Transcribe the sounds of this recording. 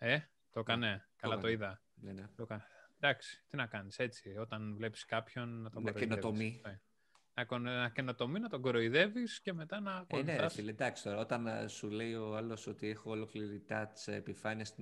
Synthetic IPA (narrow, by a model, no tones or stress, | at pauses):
e̞ | t̪o̞kɐne̞kɐllɐt̪o̞iðɐ | nenet̪okɐned̪ɐksi̥t̪inɐkɐnise̞t͡sio̞t̪ɐnvle̞pi̥skɐpço̞nːɐt̪oɡoɾoenoet̪ommie | nɐkonɐce̞no̞t̪o̞minɐt̪o̞ɡoɾo̞iðe̞visce̞me̞t̪ɐnɐkoneɐsiled̪ɐksi̥t̪o̞ɾɐo̞t̪ɐnsule̞io̞ɐlo̞so̞t̪ie̞xoːlo̞kliɾit̪ɐt̪i̥sḛpifɐniɐs